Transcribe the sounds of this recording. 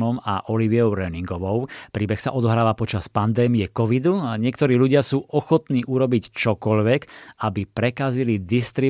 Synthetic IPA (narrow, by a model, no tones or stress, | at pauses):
ɔma̰ʔɔliʋiɔʊɾɛniŋɡɔʋɔʊpɾiːbɛxsaʔɔd̪ɔɦɾaːʋapɔt͡ʃaspand̪ɛːmiɛkɔʋid̪uɲɪɛkt̪ɔɾiːʎuɟɪasuːʔɔxɔt̪niːʔuɾɔbict͡ʃɔkɔʎʋɛkabipɾɛkazilid̪ist̪ɾi